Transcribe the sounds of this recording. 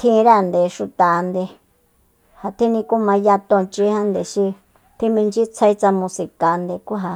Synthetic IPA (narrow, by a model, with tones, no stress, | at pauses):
t̪ʰĩ˦˧ɾa˦˨nd̪e˨ʃu˧t̪a˨˧nd̪e˧ | ha˧t̪ʰĩ˦nĩ˧ku˦mã˧ja˧t̪õ˧˨t͡ʃi˧˦hã˦nd̪e˨ʃi˧ | t̪ʰĩ˦mĩ˧nd͡ʒi˦t͡sʰa˧i˦t͡sa˧mũ˧si˧˨ka˨˧nd̪e˧ku˦ɦa˧